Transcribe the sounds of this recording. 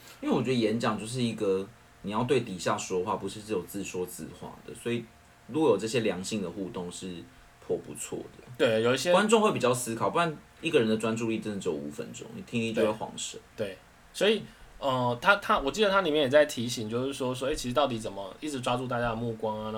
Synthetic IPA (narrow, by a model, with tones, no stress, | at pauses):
ĩ˥we˥˩wɔ˨˩t͡ɕɥɛ˧˥d̪ə˧jɛ˧˥nt͡ɕjɑ˨˩ŋt͡ɕjo˥˧ʊʂ̬ɻ̩˥˩i˧˩ɡə˨ | ni˨jɑ˥˧ʊt̪we˥˩ɪt̪i˨˩ɕja˥˩ʂwɔ˥xwa˥˩pu˧˦ʂɻ̩˥˧ʂɻ̩˥˩jo˨˩t͡sɹ̩˥˩ʂwɔ˥t͡sɹ̩̰˥˧xwa̰˥˩d̪ə̰˩swɔ˧˦˥i˨˩ | ɻu˥ɡɔ˨jo˨˩ʈ͡ʂɤ˥˩ɕjɛ˥ljɑ˧˥ŋɕi˥˩ŋd̪ə˩xu˥˧t̪ʊ˥˧ŋʂɻ̩˥˩ | pʰwɔ˥˩pṵ˧˦t͡sʰwɔ̰˥˩d̪ə˩t̪we˥˩ɪjo˨˩i˥˩ɕjɛ˥kwa˥˦nʈ͡ʂʊ˥˧ŋxwe˥˩pi˨˩t͡ɕjɑ˥˩ʊsɹ̩˥kʰɑ˨˩ʊpu˥˩t̪a˥˩n | i˥˩ɡə˨˩ɻə˦d̪ə˨ʈ͡ʂwa˦nʈ͡ʂu˥˧li˥˧˩ə˥n̩˨˩t͡ɕjo˨u˨˥fə̰˦nʈ͡ʂʊ̰˥ŋnḭ˨˩t̪ʰi˥ŋi˥t͡ɕo˥˧jxwɑ̰˧˥˦ŋʂə˨˩˦t̪we˥˩ɪ | swɔ˧˥i˨˩ə˧t̪ʰa˥t̪ʰa˥wɔ˨˩t͡ɕi˥˩d̪ə˩t̪ʰa˥li˨˩mjɛ˥˩jɛ˨˩t͡sa˥˩ɪt̪ʰi˧˥ɕi˨˩ŋt͡ɕjo˥˧ʊʂɻ̩˥˩ʂwɔ˥˩ʂɔ˥e˥˩i˧˥ʂ̩˧t̪ɑ˥˩ʊt̪i˨˥t͡sə˨˩nmə˩i˥˩ʈ͡ʂɻ̩˧˥ʈ͡ʂwa˥ʈ͡ʂu˥˧t̪a˥˩t͡ɕja˥d̪ə˨mu˥˩kwɑ˥ŋa˩na˥